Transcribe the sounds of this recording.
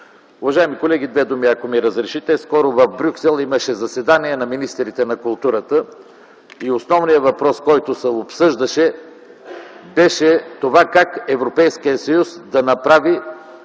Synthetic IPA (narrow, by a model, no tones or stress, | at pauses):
ʊvɐʒaɛmikolɛɡ̟id̪vɛd̪umiɐkomiɾəzɾɛʃit̪ɛskɔɾʊvəfbɾʲuksɛlˠiməʃɛzɐsɛd̪aniɛnɐminist̪ɾit̪ɛnɐkʊlˠt̪uɾət̪ə | iosnɔvnijəvɐpɾɔskɔjt̪osɛopsɤʒd̪ɐʃɛ | bɛʃɛt̪ovakakɛvɾopɛjskijəsɐjusd̪ɐnɐpɾavi